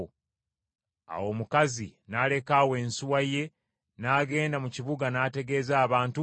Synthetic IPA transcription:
a̰wo̞ːmukazḭnaːle̞kaːwe̞ːnsuwaje̞ | naːɡe̞ːndamuciβuɡanaːte̞ɡe̞ːzaːβaːntu

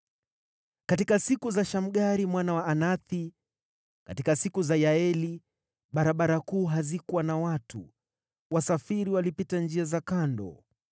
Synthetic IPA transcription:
kat̬ikasikuzaʃam̩ɠaɾimwanawaːnaθi | katikasikuzajaɛli | ɓaɾaɓaɾakuːɦazikuwanawatṵ | wasafiɾiwalipitand͡ʒiazakandɔ̰

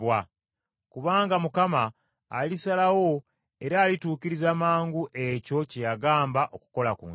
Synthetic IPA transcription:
wa | kuβaːŋɡamukamaː | lisalawo̞ | e̞ɾaːlituːkiɾizamaːŋɡuʔe̞co̞cejaɡaːmbaʔo̞ku̥ko̞lakṵː

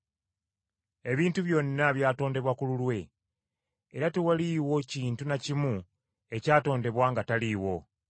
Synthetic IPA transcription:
e̞βiːntuβjo̞nːaβjaːto̞ːnde̞βwakululwe̞ | eɾatewaliwo̞ciːntunacimu | e̞caːto̞ːnde̞βwaːŋɡataliːwo̞

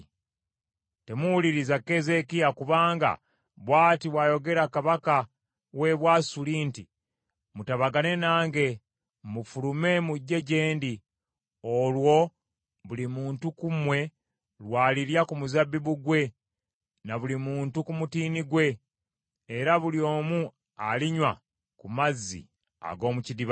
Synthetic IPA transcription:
te̞muwuliɾizakːe̞ze̞kijakuβaːŋɡa̰ | βwaːtiβwaːjo̞ɡe̞ɾakaβaka | we̞βwasuliːnti | mutaβaɡane̞naːŋɡe̞ | mufulume̞muɟːe̞ɟe̞ːndi | olwo̞ | βulimuːntukumwe̞ | lwaːliɾjakumuzabːiβuɡwe̞ | naβulimuːntukumutiːniɡwe̞ː | ɾaβuljo̞ːmu | aliɲwa | kumazːḭ | a̰ɡo̞ːmucidiβ

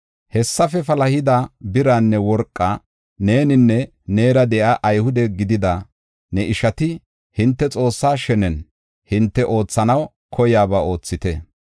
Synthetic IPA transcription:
hɛsːɐfɛfɐlɐhɪd̪ɐbɪɾaːnːɛwɔɾkʼːɐ | ne̞ːnɪnːɛ | ne̞ːɾɐd̪ɛʔaːʔɐjhʊd̪ɛɡɪd̪ɪd̪ɐ | nɛʔɪʃɐt̪ɪ | hɪnt̪ːɛt͡sʼo̞ːsːaːʃɛnɛn | hɪnt̪ːɛʔo̞ːt͡sːɐnɐw | kʰɔjaːbao̞ːt͡sːɪt̪ɛ

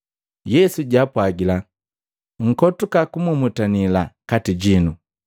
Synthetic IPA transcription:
jɛsuɟapwaɡila | ŋ̩kɔtukakumumutanilakatiɟinu

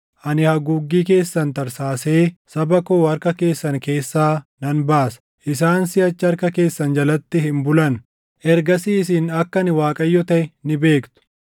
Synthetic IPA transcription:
ʔɐnɪhɐɡuːɡːiːk̬e̞ːsːɐnt̪ɐɾsaːse̞ːsɐbɐkoːɐɾkɐke̞ːsːɐŋke̞ːsːaːnɐnbaːsɐ̥ | ʔɪs̬aːnsɪɐt͡ʃːɪɐɾkɐke̞ːsːɐnd͡ʒɐlɐt̪ːɪhɪmbʊlɐn | ʔɛɾɡɐsiːsiːnɐkːɐnɪwaːkʼɐjːɔt̪ɐʔɪnɪbe̞ːkt̪ʊ̥

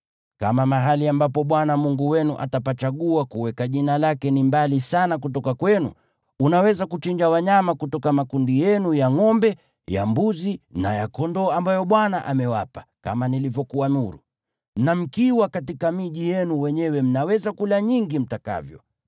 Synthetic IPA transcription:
ka̰mamaɦaliambapɔɓwanamuŋɡuwɛnuʔa̰tapat͡ʃaɠuwakuwɛkaʄinalakɛnimbalisanakutɔkakwɛnṵː | nawɛzakut͡ʃiɲd͡ʒawaɲamakutɔkamakundijɛnujaŋɔmbɛ | ja̰mbuzinajakɔndɔːambajɔɓwanaʔamɛwapḁka̰manilivjɔkuamuɾṵ | m̩nam̩kiwakatikamiʄijɛnuwɛɲɛwɛm̩nawɛzakulaɲiŋɡim̩taka̰vjɔ

